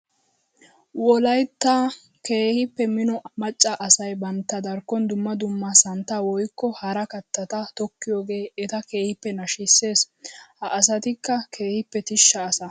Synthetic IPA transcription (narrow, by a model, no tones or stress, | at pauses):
wɔlɐjt̪ːa | ke̞ːhɪpːɛmɪnɔmɐt͡ʃʼːɐʔɐsɐjbɐnt̪ːɐd̪ɐɾkːɔnd̪ʊmːɐd̪ʊmːɐsɐnt̪ːɐwɔjkːɔhɐɾɐkɐt̪ːɐt̪ɐt̪ɔkːɪjoːɡe̞ːɛt̪ɐke̞ːhɪpːɛnɐʃɪsːe̞ːs | hɐʔːs̬ɐt̪ɪkːɐkʰe̞ːhɪpːɛt̪ɪʃːɐːsɐ